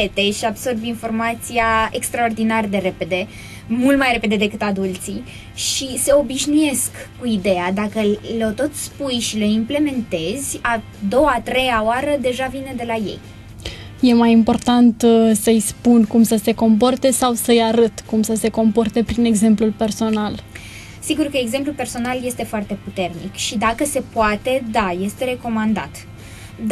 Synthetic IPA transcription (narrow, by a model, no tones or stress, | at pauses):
et̪e̞ʃiabso̞rbinfo̞rmat̪siaekst̪ɾao̞rd̪inard̪e̞ɾe̞pe̞d̪e̞ | mult̪majre̞pe̞d̪e̞d̪e̞kɨt̪ad̪ult̪si | ʃise̞o̞biʃnuje̞skːuid̪ead̪akəlot̪o̞t̪spujʃiləimple̞me̞nt̪e̞zʲa | d̪o̞at̪ɾe̞jaoaɾəd̪e̞ʒavine̞d̪e̞laje̞̰j | je̞majimpo̞rt̪ant̪səjspunkumsəse̞ko̞mp̬o̞rt̪e̞sawsəjaɾɨt̪kumsəse̞ko̞mpo̞rt̪e̞pɾine̞ɡze̞mplulpe̞rso̞nal | siɡurkəeɡze̞mplupe̞rso̞nalje̞st̪e̞foart̪e̞put̪e̞rnikʃid̪akəse̞poat̪e̞d̪aje̞st̪e̞ɾe̞ko̞mand̪at̪